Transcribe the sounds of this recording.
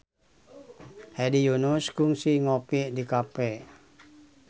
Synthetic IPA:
hɛdijunuskuŋsiŋopiʔdikapɛ

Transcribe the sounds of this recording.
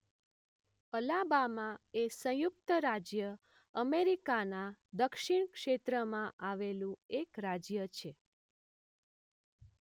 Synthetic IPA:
əlabamãesə̃juk̚t̪əɾad͡ʒjə | əmeɾikanad̪əkʃiɳ̃kʃet̪ɾəmãʔaʋelũekɾad͡ʒjət͡ʃʰe

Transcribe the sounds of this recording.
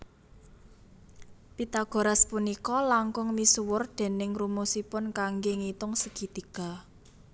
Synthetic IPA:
pit̪aɡ̥o̤ɾaspunikɔlaŋkʊŋmisuwʊrd̪̥e̤nɪŋrumusipʊnkaŋɡeŋit̪ʊŋsəɡ̥i̤t̪iɡ̥a̤

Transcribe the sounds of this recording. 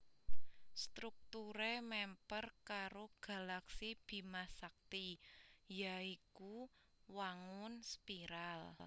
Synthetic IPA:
st̪ɾuk̚t̪uɾemɛmpərkaɾoɡ̥a̤laksib̥i̤masak̚t̪ijaiku | waŋʊnspiɾal

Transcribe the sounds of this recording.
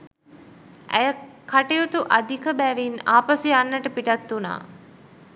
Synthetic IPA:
ʔæ̰jəkʰaʈejut̪uʔad̪ʱikəbæːʋinaːpɐsujanːəʈəpiʈɐt̪ːuna̰ː

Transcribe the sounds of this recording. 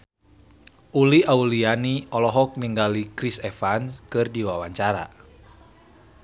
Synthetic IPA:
ʔuliʔaulianiɔlɔɦɔk̚niŋɡalikɾisɛfanskɨrdiwawaɲt͡ʃaɾa̰

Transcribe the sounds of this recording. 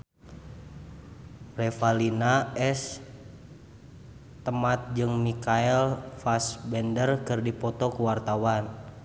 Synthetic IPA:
rɛfalinaɛs | t̪əmat̪̚d͡ʒɨŋmikaɛlfasbɛndərkɨrdipɔt̪ɔkuwart̪awan

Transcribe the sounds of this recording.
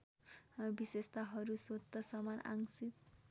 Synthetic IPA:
bisest̪aɦʌɾusot̪ːʌsʌmana̰ŋsit̪

